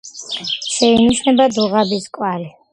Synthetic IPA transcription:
ʃɛiniʃnɛbad̪uʁabiskʼwaɾi

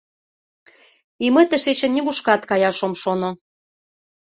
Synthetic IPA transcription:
imə̆t̪ə̆ʃet͡ɕĕnnʲːiβuʃkɑt̪kɑjɑʃomʃono

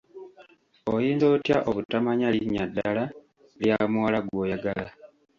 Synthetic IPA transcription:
ojiːndoːtjaʔoβutamaɲaliɲːadːala | ljamuwalaɡwo̞jaɡala

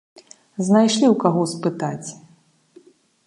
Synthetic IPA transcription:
znajʂlʲiwkaɣɔspɨt̪at͡sʲ

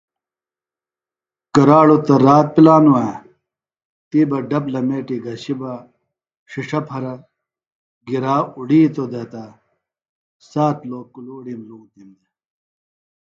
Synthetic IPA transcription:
kɐɾaːɭut̪ɐɾaːt̪̚pilaːnua | t̪iːbɐɖɐblɐmeːʈiɡɐɕibɐ | ʂiʂɐpʰɐɾɐ | ɡiɾaːuɽiːt̪od̪ɐt̪ɐ | saːt̪loːkuluːɽimlũːt̪imd̪e

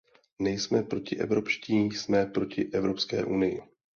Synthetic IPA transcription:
nɛjsmɛpɾo̞cɪʔɛ̰vɾo̞pʃciːsmɛpɾo̞cɪʔɛvɾo̞pskɛ̰ːʔunɪjɪ̰

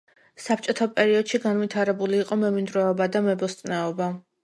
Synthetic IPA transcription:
sap̚ʰt͡ʃʼɔt̪ʰapʼɛɾiɔd̪̥ʃiɡanvit̪ʰaɾɛbuliːqʼɔmɛmind̪ɾɛɔbad̪amɛbɔst̪ʼnɛɔba

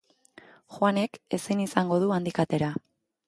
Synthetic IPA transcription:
xwane̞ke̞sinisaŋɡo̞ð̞uand̪ikat̪e̞ɾa

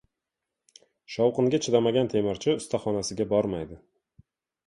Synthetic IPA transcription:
ʃɒwqɨŋɡʲat͡ʃʰɪd̪amaɡʲant̪ʰe̞mɪɾt͡ʃʰɪʊst̪ʰaχɒnasɪɡʲabɒɾmajd̪ɪ

